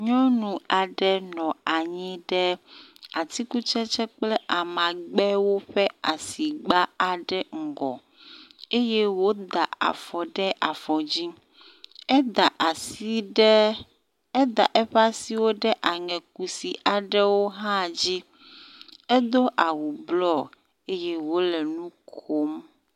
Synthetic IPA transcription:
ɲɔ̃˦nũ˨a˨ɖɛ˦nɔ̃˨a˨ɲĩ˦ɖɛ˦a˨t̪i˦ku˦t͡ʃɛ˦t͡ʃɛ˦k͡plɛ˦ʔa˨mã˨ɡ͡bɛ˦wo˦ɸɛ˦a˨si˨ɡ͡ba˦a˨ɖɛ˦ŋ̩˨ɡɔ̰˨ | e˦je˦wo˦d̪a˨a̰˨fɔ˨ɖɛ˦ʔa˨fɔ˨d͡ʑi˦ | ɛ˦d̪a˨ʔa˨si˦ɖ | e˦d̪a˨ʔɛ˦ɸa˦si˨wo˦ɖɛ˦ʔa˨ŋɛ̃˨k̚u˨si˨ʔa˨ɖɛ˦wo˦ɦã˦˨d͡ʑi˦ | e˦d̪o˦ʔa˨wu˨blɔ˦ | e˦je˦wo˦lɛ˨nũ˦kʰo˦m

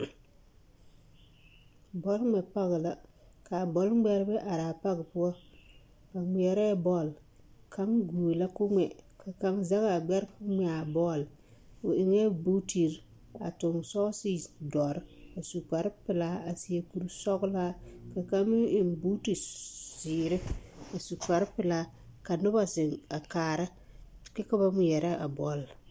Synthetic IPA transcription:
bɔ˦lŋ͡mɛ˨pa˦ɣɪ˨la˦ | ka˨bɔ˨˦lɡ͡bɛ˦ɾbɛ˦ʔa˨ɾa˨pa˦ɡɪ˨pu˦ɔ˦ | ka˨ŋ͡mi˨ɛ˨ɾɛ˦bɔ˦˨l | kʰa˦ŋɡuː˨la˦kʊ˦ŋɛ˨ka˨ka˦ŋza˦ɣa˨ɡ͡bɛ˦ɾkʊ˦ŋ͡mɛ˨a˨bɔ˦˨l | o˨ɪ˨ŋɛ˦bu˦ti˨ɾ | a̰˨tʊ˨ŋsɔ˦sɪ˦dɔ˨ɾa˨su˨ka˨ɾpɪ˨la˦a˨si˨e˨ku˦ɾu˦sɔ˦ɡla˦ka˨ka˦mɪ˦ɪ˨nbu˦ti˨siː˨ɾɪ˦a˨su˨ka˨ɾpɪ˨la˦ | ka˨nʊ˦ba˦sɪ˨ŋa˨kaː˨ɾa˦˨ | kɛ˦ka˦ba˦mi˨ɛ˨ɾa˦a˨bɔ˦l

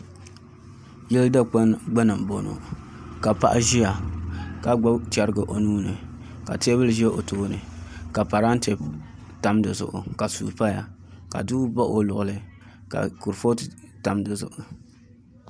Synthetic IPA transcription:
jɛ˦lda˦k͡pa˦nɡ͡ba˦na˨m˨bo˨no̰˨ | ka˨pa̰˦ʔa̰˦ʒi˦ja˨ka˨ɡ͡ba˦t͡ʃɛ˦ɾɡɨ˨ʔo˨nuː˦nɨ˨ | ka̰˨te˦bɨ˦lʒɛ˦ʔo˨toː˦nɨ˨ka˨pa˨ɾa˦n˦te˨b | ta˨mdɨ˨zʊ̰˨ʔʊ˨ka˨sṵː˨pa˦ja˨ka̰˨du˦ba˦ʔo˦lʊ˨ʔʊ˨lɨ˦ka̰˨ku˨ɾfo˦tɨ˨ta˨mdɨ˨zʊ̰˨ʔʊ˨

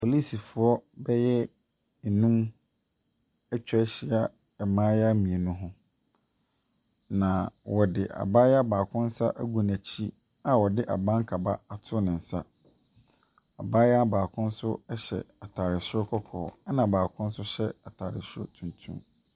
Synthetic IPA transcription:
pʰo˨li˦si˨fʊ˨ɔ˦bɛ˦jɛ˦ | n̩˨nũ˦m | ɛ˦t͡ɕᶣɛ˦ɕi˦a˦ | ɛ˨mãː˦ja˦mĩ˨e˨nʊ̃˦ɦʊ̃˦ | nã˨wɔ˨dɪ̰˨ʔa̰˨ba˦jɛ˦a˦baː˨kʰʊ̃˦n̩˦sa̰˦ʔæ˦ɡu˨næ˨t͡ɕʰi˦ | a˨wɔ˨dɪ˦ʔa̰˨bã˦ŋ˦kʰa˨ba˦a˨tʰʊ˦nɪ̃˨n̩˨sa̰˦ | a̰˨ba˦jɛ˦a˦baː˨kʰʊ̃˦n̩˦sʊ˦ɛ˦ɕɛ̰˨a˨tʰaː˨ɾɪ˨sʊ˦ɔ˦kʰɔ˦kʰɔ̰ː˨a˦nã˨baː˨kʰʊ̃˦n̩˦sʊ˦ɕɛ˦a˨tʰaː˨ɾɪ̰˨sʊ˦ɔ̰˦tʰũ˨ntʰṵ̃˦m

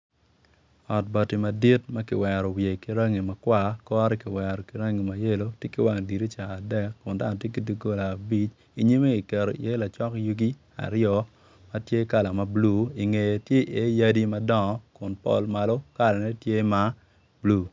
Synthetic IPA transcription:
ɔ˨t̚ba˨ti˨ma˨di˦tma˦kɪ˨wɛ˨ɾɔ˨wje˨ki˨ɾa˦ŋi˨ma˨kwa˦kɔ˦ɾɛ˦kɪ˨wɛ˨ɾɔ˨ki˨ɾa˦ŋi˨ma˨je˦lo˦tje˦kɪ˦wa˦˨ŋdi˨ɾi˦t͡ʃaː˨dɛ˦kːʊ˨nda˦nɔ˨tje˦k̬i˦di˦ɡo˦laː˨bi˦t͡ʃ | i˦ɲi˦me˦ki˨kɛ˨ɾo̰˨je˦la˨t͡ʃɔ˦kju˦ɡi˦ | a̰˨ɾjɔ˨ | mɐ˦tje˦ka˦la˨ma˨blu˦i˨ŋe˨je˨tje˦ʔe˨˦ja˦di˦mɐ˦dɔ˦˨ŋɔ˨kʊ˨npɔ̰˦lma˨lo˦ka˦la˨nɛ˦tje˦ma˦ | blu˨

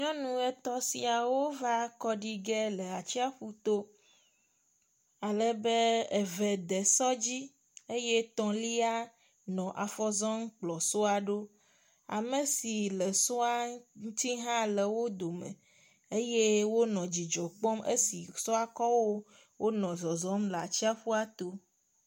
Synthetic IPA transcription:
ɲɔ̃˦nũ˦ɛ˦t̪ɔ˦si˨a˨wo˦va˦kɔ˦ɖi˦ɡɛ˦lɛ˨a˨t͡ɕi˦a˦ɸu˦t̪o˦ | a˨lɛ˦be˦e˨vɛ˨d̪ɛ˨sɔ˦d͡ʑi˦ | e˦je˦t̪ɔ̃˨li˦a˦ | nɔ̃˨ʔa˨fɔ˦zɔ̃˦ŋ˦k͡plɔ˨so˦a˨ɖo˦ | a̰˨mẽ˨si˨le˨sɔ˦a˦ŋu˦t̪i˦ɦã˦le˨wo˦d̪o˨mḛ̃˨ | e˦je˦wo˦nɔ̃˨d͡ʑi˨d͡ʒɔ˨k͡pɔ˦mḛ˦si˨sɔ˦a˦kɔ˦wo˦ | wʔo˦nɔ̃˨zɔ˨zɔ˦mle˨a˨t͡ɕi˦a˦ɸu˦a˦t̪o˦

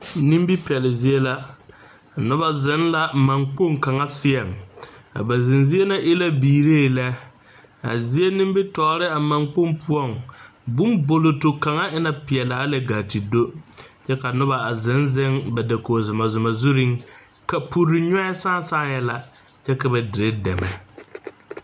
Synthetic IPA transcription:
nĩ˦m˦bi˦pi˨ɛ˨lɪ˨zi˦e˦la˦˨ | nʊ˦ba˦zɪ˨˦nla˨ma˨ŋk͡po˦ŋka˨ŋa˦sɪ˦ɛ˨ŋa̰˨ba˨zɪ˨nzi˦e˦na˦ʔɪ˦la˦biː˨ɾeː˦˨la˦ | a̰˨zi˦e˦nɪ̃˦mbɪ˦tɔː˨˦ɾɪ˦a˨ma˨ŋk͡po˦mpʰʊ˦ɔ˦˨ŋ | bʊ˦mbo˨lo˨tʊ˨ka˨ŋa˦ʔɪ˦na˨pɪ˨ɛ˨laː˨˦la˨ɡaː˨ti˨do˦t͡ʃɛ˦ka˨nʊ˦ba˨a˨zɪ˨˦nzɪ˦ŋba˨da˨koː˨zʊ˨ma˨zʊ˨ma˨zu˦ɾɪ˦ŋ | ka˨pu˨ɾɪ˨ɲɔ˦ɪ˦saː˦saː˦˨jɛ˦la˨ | t͡ʃɛ˦ka˨bɛ˨dɪ˨ɾɪ˦dɛ˨mɛ̰˨

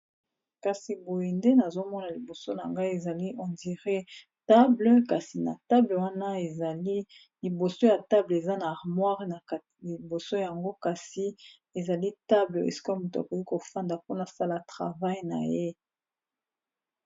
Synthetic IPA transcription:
ka˨si˨bo˨je˨nde˦na˨zo˦mɔ˦na˨li˨bo˨so˦na˨ŋɡa˦i˦e˨za˨li˦ʔɔ˨ndi˨ʁe˦ | ta˦blə˦ka˨si˨na̰˨ta˦blə˨wa˦na˦e˨l | li˨bo˨so˦ja˨ta˦ble˨za˦na˨a˨ʁmwa˦ʁe˨na˨ | li˨bo˨so˦ja˨ŋɡo˦ka˨si˨ | e˨za˨li˦ta˦blə˨ḛ˨si̥˦ko˦mu˨to˨a̰˨ko˨ki˦ko˨fa˦nda˨po˦na˨sa˦la˨tʁa̰˨va˦jna̰˨je˦

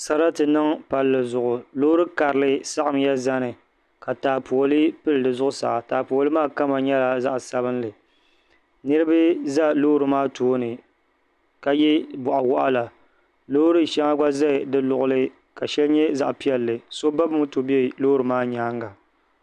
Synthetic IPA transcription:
sa˨ɾa˦tɨ˨nɨ˦ŋpa˨lːɨ˨zʊ˨ʔʊ˨loː˦ɾɨ˦ka˨ɾɨ˨lɨ˦sa˦ʔɨ˨m˦ja˦za˦nɨ˨ | ka˨taː˨po˨o˨lɨ˦pɨ˦lɨ˨dɨ˨zʊ˦ʔʊ˦sa̰˨ʔa˨taː˨po˨lɨ˦maː˦˨ka˦ma˨ɲɛ˦la˨za˦ʔsa˦βɨ˦nlɨ˨ | nɨ˦ɾɨ˦bɨ˦za˦loː˦ɾɨ˨maː˦tʰoː˦nɨ˨ | ka˨jɛ˦bʊ˨ʔa˨wɔ˦ʔa˦la˨ | lo˦ɾɨ˦ʃɛ˦ŋa˦ɡa˦za˦˨dɨ˦lʊ˨ʔʊ˦lɨ˦ | ka˨ʃɛ˦lɲɛ˦za˨ʔpi˦ɛ˨lːɨ˨so˦ba˦bmu˦to˨bɛ˦˨lo˦ɾɨ˨maː˦ɲaː˦ŋɡa˨

